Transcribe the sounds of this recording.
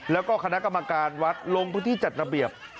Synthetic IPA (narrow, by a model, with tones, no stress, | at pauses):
lɛː˦˥wkɔː˥˩kʰa˧na˦˥ʔka˧mːa˧kaː˧nwa˦˥t̪̚lo˧ŋpʰɯ˥˩t̪iː˥˩t͡ɕa˨˩t̪̚ɾa˧bi˨˩əp̚